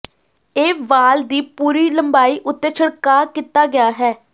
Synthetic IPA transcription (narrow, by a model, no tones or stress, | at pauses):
eːʋaːld̪iːpuːɾiːləmbaːiːʔʊt̪ːeːt͡ʃʰəɽkaːkɪt̪aːɡɪaːɦɛː